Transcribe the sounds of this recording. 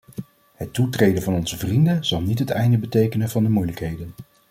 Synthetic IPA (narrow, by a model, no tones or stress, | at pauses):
hətːutrejdənvɑnɔnzəvrindənz̥ɑlˠnitɦətɛjndəbətejkənənvɑndəmujləkɦejdən